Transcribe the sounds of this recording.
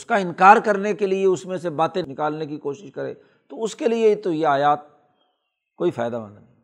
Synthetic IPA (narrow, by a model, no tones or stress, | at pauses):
ʊskaɪnkaːɾkɐɾnekelieʊsmẽsebaːt̪ẽnɪkaːlnekikoːʃɪʃkɐɾḛː | t̪oʊskeliet̪ojeaːjaːt̪̚ | koːifaːɪd̪aba̰nanĩ